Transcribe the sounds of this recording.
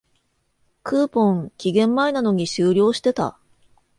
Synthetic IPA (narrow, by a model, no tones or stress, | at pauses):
kɯːpõ̞ŋkʲiɡẽ̞mːainano̞ɲ̟iɕɨːɾʲo̞ːɕi̥t̪e̞t̪a̰